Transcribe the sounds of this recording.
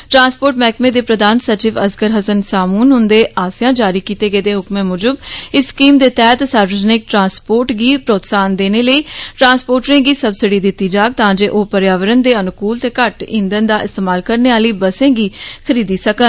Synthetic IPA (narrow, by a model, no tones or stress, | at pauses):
ʈɾãːnspoːɾʈmɛːkmeːd̪eːpɾəd̪aːnsət͡ʃɪːʋəskəɾɦəsənsaːmuːnɦʊnd̪eːʔaːsɪjãːd͡ʒaːɾiːkiːt̪eːɡəeːd̪eːɦʊkmẽːmʊd͡ʒəbɪskiːmd̪eːt̪ɛːt̪saːɾʋəd͡ʒənɪk̚ʈɾãːnspoːɾʈɡiːpɾoːt̪saːnd̪eːneːləiːʈɾãːnspoːɾʈɾẽːɡiːsəbsɪɖiːd̪ɪt̪ːiːd͡ʒaːk̚t̪ãːd͡ʒeːʔoːpəɾjaːʋəɾənd̪eːənʊkuːlt̪eːkəʈḭ̃nd̪ənd̪aːʔɪst̪eːmaːlkəɾneːaːliːbəsẽːɡiːkʰəɾiːd̪iːsəkən